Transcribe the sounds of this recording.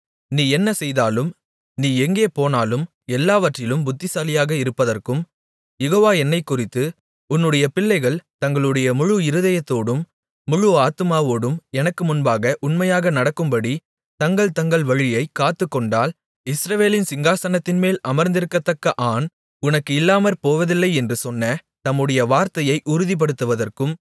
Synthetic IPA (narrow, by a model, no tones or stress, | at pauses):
niːɛnːɐsɛjðaːlɯm | niːɛŋɡeːpoːnaːlɯm | ɛlːaːʋɐʈrɪlɯmbʊt̪ːɪsaːlɪjaːɣɐɪɾɯpːɐðɐrkɯm | jɛɣoːʋaːɛnːɐɪkːʊrɪt̪ːɯ | ʊnːɯɽɐjɐpɪlːɐɪɣɐɭt̪ɐŋɡɐɭɯɽɐjɐmʊɻʊɪɾɯðɐjɐt̪ːoːɽɯmː | ʊɻʊaːt̪ɯmaːʋoːɽɯmɛnɐkːɯmʊnbaːɣɐʔʊnmɐjaːɣɐnɐɽɐkːɯmbɐɽi | t̪ɐŋɡɐɭt̪ɐŋɡɐɭʋɐɻɪjɐɪkːaːt̪ːɯkːɔɳɖaːl | ɪsɾɐʋeːlɪnsɪŋɡaːsɐnɐt̪ːɪnmeːlʔɐmɐɾnd̪ɪɾɯkːɐt̪ːɐkːɐʔaːn | ʊnɐkːɯɪlːaːmɐɾpoːʋɐðɪlːɐɪɛndrɯsɔnːɐt̪ɐmːɯɽɐjɐʋaːɾt̪ɐjɐɪʔʊɾɯðip̬ɐɽɯt̪ːɯʋɐðɐrkɯm